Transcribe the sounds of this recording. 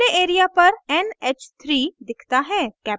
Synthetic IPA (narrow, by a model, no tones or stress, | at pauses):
eʔeːɾijapɐɾɛneːt͡ʃt̪ʰɾiːd̪ɪkʰt̪aɦɛːkɛː